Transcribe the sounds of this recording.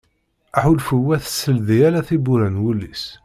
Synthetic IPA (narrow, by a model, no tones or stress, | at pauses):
aħulfəwæθə̥sːəlðijælæθibuɾænwulːis